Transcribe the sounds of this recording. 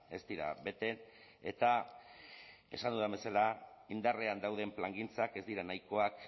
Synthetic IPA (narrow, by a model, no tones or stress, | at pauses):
e̞sd̪iɾa̰βe̞t̪e̞n | e̞̰t̪a | e̞̰sand̪uðamβbe̞salaind̪areand̪awð̞e̞mplaŋɡint͡sake̞zd̪iɾanajko̞ak